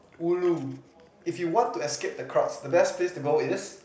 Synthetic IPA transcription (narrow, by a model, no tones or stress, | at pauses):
ulu | ifjuwɔ̃ntuɛskep̚dəkʰɹɔsdəbɛspʰlestuɡɔɪs